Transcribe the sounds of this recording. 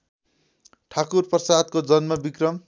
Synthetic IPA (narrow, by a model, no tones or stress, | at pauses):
ʈʰakurprʌsad̪̚kod͡zʌnmʌbikrʌm